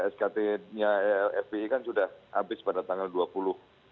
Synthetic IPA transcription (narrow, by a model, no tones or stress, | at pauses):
ɛskat̪eɲaɛfeikansudahʔabɪspadat̪aŋalduapulʊh